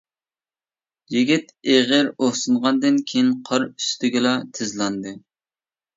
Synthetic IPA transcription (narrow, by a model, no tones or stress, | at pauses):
jiɡʲit̪eʁəɾoχsɨnʁɑnd̪ɨnkʲʰejinqʰɑɾyst̪ʰɪɡʲɪlɑt̪ʰɪzlˠɑnd̪ɨ